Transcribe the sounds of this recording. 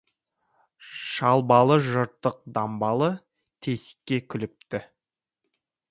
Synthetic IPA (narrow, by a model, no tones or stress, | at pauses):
ʃɑlˠbɑlˠəʒʊɾt̪ːəq̚d̪ɑmbɑlˠə | t̪ʰe̞sɪ̥kʲːe̞kʲʰʏlɪp̚t̪ɪ